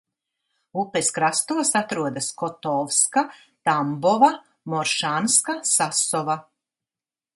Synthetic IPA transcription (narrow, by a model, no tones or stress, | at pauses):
upeskɾast̪uɔsat̪ɾuɔd̪askɔt̪ɔvska | t̪ambɔva | mɔɾʃaːnskasasɔva